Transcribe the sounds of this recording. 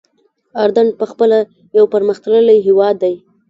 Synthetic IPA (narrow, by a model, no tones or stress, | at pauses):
ɑɾd̪aɳɖ̚pəxpəla | jawpəɾməxt̪ələləjɦewɑd̪ːaj